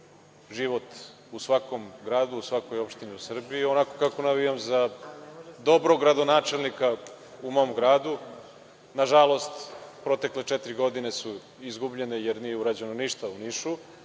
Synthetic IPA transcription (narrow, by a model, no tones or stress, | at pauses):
ʒiʋo̞t̪ | usʋako̞mɡɾaːd̪uusʋako̞jopʃt̪iniusr̩biːo̞nako̞kakonaʋijamza | d̪o̞bɾoɡɾad̪o̞naːt͡ʂe̞lnika | umoomɡɾaːd̪u | naʒalˠo̞st̪pɾo̞t̪e̞kle̞t͡ʃɛt̪ɾiɡo̞d̪ine̞su | izɡubʎe̞ne̞je̞ɾnijeuɾad͡ʑe̞noniʃt̪auniʃu